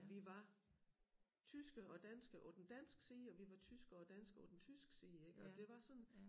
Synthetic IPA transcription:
ʋiʋɑ̈ | t͡sʰysɡ̥əʔɒ̽d̥ænsɡ̥əʔɒd̥n̩d̥æn̰sɡ̥siːɒ̽ʋiʋɑ̈t͡sʰysɡ̥ɐɒ̽d̥æn̰sɡ̥ɒd̥en̩t͡sʰysɡ̥siːeɡ̥əɒ̽d̥e̝ʋɑ̈sɒ̽n

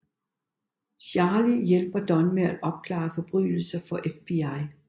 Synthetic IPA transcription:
sjæːlijelb̥ɐd̥ɒ̽nmeædʔɒ̽b̥̚kʰlɑ̰̈ːfɒ̽b̥ʁy̰ːl̩sɐfɒ̽ʔefb̥iɑɪ

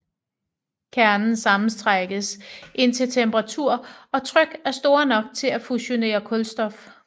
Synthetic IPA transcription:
kʰæɐnn̩sɑ̈mn̩sd̥ʁaɡ̥əsʔe̝n̰t͡sʰe̝lt͡sʰemb̥əʁɑ̈t͡sʰuɐ̰ɒ̽t͡sʰʁœɡ̥æɐsd̥o̝ːɐnɒ̽ɡ̥̚t͡sʰe̝læfuɕo̝ne̝̰ːɐkʰɔ̽lsd̥ɒ̽f

